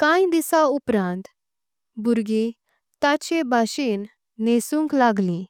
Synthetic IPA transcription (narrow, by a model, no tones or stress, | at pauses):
kãj̃d̪isaupɾãnt̪ | buɾɡe | t̪at͡ɕebʱaɕenː | esũŋklaɡlĩ